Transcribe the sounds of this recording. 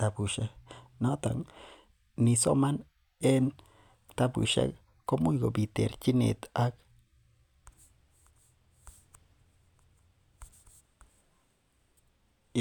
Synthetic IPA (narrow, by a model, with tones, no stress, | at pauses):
t̪a˨bu˨ʃa˦na˦t̪a̰˨ŋ | ni˨so̰˦ma˦n | e˦n | t̪a˦bṵ˨ʃa̰˦k | ko˦mu˦jɡo˨bi˨t̪e˨ɾt͡ʃi˦nḛ˨t̪a˦k